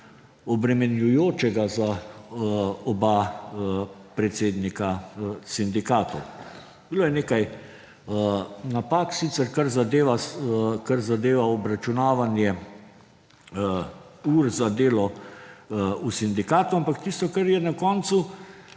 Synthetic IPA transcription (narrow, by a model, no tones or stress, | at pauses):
ɔbɾɛmɛnjujoːt͡ʃɛɡaza | ɔba | pɾɛt̪seːd̪nikasind̪ikaːt̪ɔw | biloːjɛneːkaj | napaːksit̪sɛɾkaɾzad̪eːʋakaɾzad̪eːʋaɔbɾat͡ʃunaːʋanjɛ | uːɾzad̪eːlɔ | usind̪ikaːt̪uampakt̪ist̪ɔkaɾjɛnakɔːnt̪su